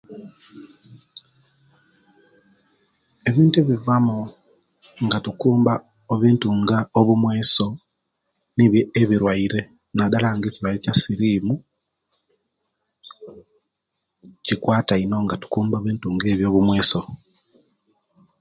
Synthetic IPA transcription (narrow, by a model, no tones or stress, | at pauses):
e̞βiːntueβivamu | ŋɡatukuːmba | oβiːntuːŋɡaoβumwe̞ːso̞ | niβjeːβiɾwaiɾe̞ | nadalaŋɡeciwaecasiɾiːmu | cikwaːtaino̞ːŋɡatu̥kuːmboːβiːntuːŋɡe̞ːβjo̞ːβumwe̞ːso̞